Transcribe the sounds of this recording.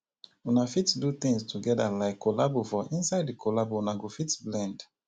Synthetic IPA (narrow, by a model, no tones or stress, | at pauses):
unafitdut̪ĩŋstʰuɡɛdalaɪkʰːolabofɔʔĩnsaɪddikʰolabounaɡofitblɛ̃nd